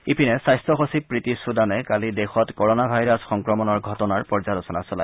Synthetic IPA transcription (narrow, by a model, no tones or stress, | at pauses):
ipʰinɛsajstɹɔxosipɹitisudanɛkalidexɔtkɔɹɔnabʱajɹasxɔŋkɹɔmɔnɔɹɡʱɔtɔnaɹpɔɹzadɔsɔna̰sɔla̰j